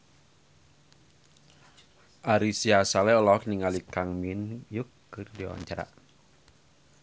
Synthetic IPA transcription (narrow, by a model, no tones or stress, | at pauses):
ʔaɾisiasalɛɔlɔkniŋalikaŋminjukː | ɨrdia̰wa̰ɲt͡ʃaɾa̰